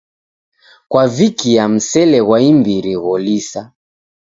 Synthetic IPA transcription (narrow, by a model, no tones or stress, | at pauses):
kwavikijam̩sɛlɛɣwaimbiɾiɣɔlisa